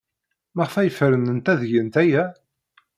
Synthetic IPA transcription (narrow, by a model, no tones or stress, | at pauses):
məʁfæjəfəɾənənt̪æðʝənt̪æjæ